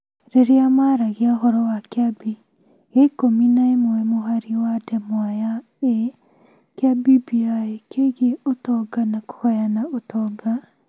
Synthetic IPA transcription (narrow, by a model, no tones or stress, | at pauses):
ɾeɾeamaːɾaɣeaɦɔɾɔwakeabi | eikominaemwɛmoɦaɾiwadɛmwaja | e | keabibiaekʰeɣeotɔɡanako̥hajanaʔotɔɡa